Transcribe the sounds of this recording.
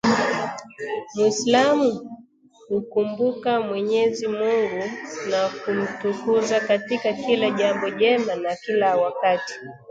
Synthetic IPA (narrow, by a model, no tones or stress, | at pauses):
mwislamu | hukumbukamwɛɲɛzimuŋɡunakum̩tukuzakatikakilaʄambɔʄɛmanakilawakati̥